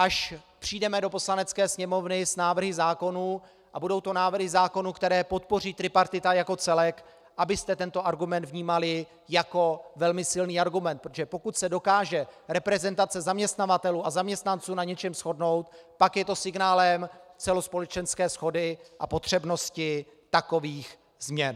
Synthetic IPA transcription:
ʔaʃpr̝̥iːdɛmɛdo̞po̞slanɛt͡skɛːsɲɛmo̞vnɪsnaːvr̩ɦɪzaːko̞nuː | ʔabudo̞wt̪o̞naːvr̩ɦɪzaːko̞nukt̪ɛɾɛːpo̞t̪po̞r̝iːt̪ɾɪpaɾt̪ɪt̪ajako̞t͡sɛlɛk | ʔabɪst̪ɛt̪ɛnt̪o̞ʔaɾɡumɛnt̪vɲiːmalɪ | jako̞vɛlmɪsɪlniːaɾɡumɛnt̪pɾotoʒɛpo̞kut̪sɛdo̞kaːʒɛɾɛpɾɛzɛnt̪at͡sɛzamɲɛst̪navat̪ɛluːʔazamɲɛst̪nant͡suːnaɲɛt͡ʃɛmsxo̞dno̞wt̪pakjɛt̪o̞sɪɡnaːlɛmt͡sɛlo̞spo̞lɛt͡ʃɛnskɛːsxo̞dɪʔa̰po̞t̪r̝̥ɛbno̞scɪ | t̪ako̞viːx | zmɲɛn

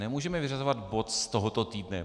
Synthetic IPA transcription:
nɛmuːʒɛmɛvɪrazovad̪bo̞t̪st̪oɦot̪ot̪iːdnɛ

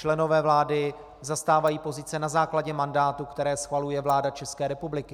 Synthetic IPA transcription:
t͡ʃlɛno̞vɛːvlaːdɪ | zast̪aːvajiːpo̞zɪt͡sɛnazaːklaɟɛmandaːt̪ukt̪ɛɾɛːsxvalujɛvlaːdat͡ʃɛskɛːɾɛpublɪkɪ

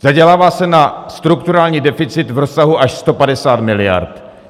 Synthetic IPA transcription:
z̥aɟɛlaːvaːsɛnast̪ɾukt̪uɾaːlɲiːdɛfɪt͡sɪt̪vɾo̞sːaɦuʔaʃst̪o̞padɛsaːt̪mɪlɪja̰ɾt̪

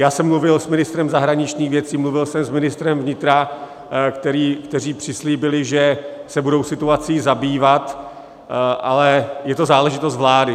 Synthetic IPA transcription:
jaːsɛmːluvɪlsmɪnɪst̪ɾɛmzaɦɾaɲɪt͡ʃɲiːxvjɛt͡siːmluvɪlsɛmsmɪnɪst̪ɾɛmvɲɪt̪ɾa | kt̪ɛɾiːkt̪ɛr̝iːpr̝̥ɪsliːbɪlɪʒɛsɛbudowsɪt̪uat͡siːzabiːvat̪ | ʔalɛjɛt̪ozaːlɛʒɪt̪os̬t̪vlaːdɪ

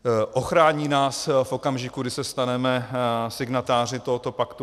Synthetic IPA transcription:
ʔo̞xɾaːɲiːnaːsfʔo̞kamʒɪkuɡdɪsɛst̪anɛmɛsɪɡnat̪aːr̝ɪt̪o̞ɦot̪o̞pakt̪u

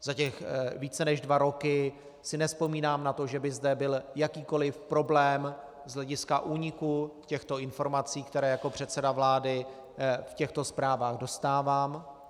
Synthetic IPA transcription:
zacɛxviːt͡sɛnɛʒdvaɾo̞kɪ | sɪnɛspo̞miːnaːmnat̪o̞ʒɛbɪzdɛbɪljakiːko̞lɪfpɾo̞blɛːm | zɦlɛɟɪskaʔuːɲɪkucɛxt̪o̞ɪnfo̞ɾmat͡siːkt̪ɛɾɛːjako̞pr̝̥ɛt̪sɛdavlaːdɪ | fcɛxt̪o̞spɾaːvaːɣdo̞st̪aːvaːm

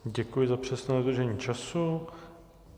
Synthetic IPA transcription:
ɟɛkujɪzapr̝̥ɛsnɛːod̪r̩ʒɛɲiːt͡ʃasu

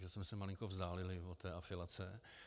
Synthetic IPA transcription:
ʒɛsmɛsɛmalɪŋkovzd̪aːlɪlɪvot̪ɛːʔafɪlat͡sɛ

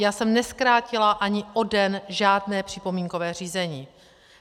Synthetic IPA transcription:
jaːsɛmnɛskɾaːcɪlaʔaɲɪʔo̞dɛnʒaːdnɛːpr̝̥ɪpo̞miːŋko̞vɛːriːzɛɲiː

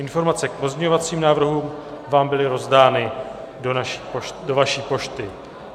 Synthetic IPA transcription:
ʔɪnfo̞ɾmat͡sɛk̚po̞zɲɛɲovat͡siːmnaːvr̩ɦuːm | vaːmbɪlɪɾo̞zdaːnɪ | donaʃi̥ːodo̞vaʃiːpo̞ʃt̪ɪ

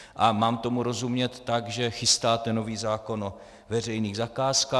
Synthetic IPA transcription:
ʔamaːmt̪o̞muɾo̞zumɲɛt̪ːaɡʒɛxɪst̪aːt̪ɛno̞viːzaːko̞no | vɛr̝ɛjniːɣzakaːskaː

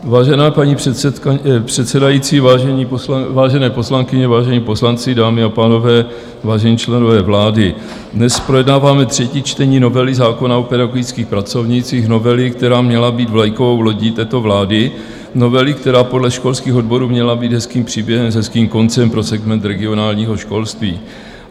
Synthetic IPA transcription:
vaːʒɛnaːpaɲiɛ | pr̝̥ɛt̪sɛdajit͡siːvaʒɛɲivaːʒɛnɛːpo̞slaŋkɪɲɛvaːʒɛɲiːpo̞slant͡sɪdaːmɪapaːno̞vɛː | vaːʒɛɲiːt͡ʃlɛno̞vɛːvlaːdɪ | dnɛspɾo̞jɛdnaːvaːmɛt̪r̝̥ɛciːt͡ʃt̪ɛɲiːno̞vɛlɪzaːko̞naopɛdaɡoɡɪt͡skiːxpɾat͡so̞vɲit͡siːxno̞vɛlɪk̚t̪ɛɾaːmɲɛlabiːd̪vlajkovo̞wlo̞ɟit̪ɛːt̪o̞vlaːdɪ | no̞vɛlɪk̚t̪ɛɾaːpo̞dlɛʃko̞lskiːxo̞dbo̞ɾuːmɲɛlabiːd̪ɦɛskiːmpr̥iːbjɛɦɛmzɦɛskiːmko̞nt͡sɛmpɾo̞sɛɡmɛnt̪ɾɛɡɪo̞naːlɲiːɦo̞ʃko̞lst̪viː

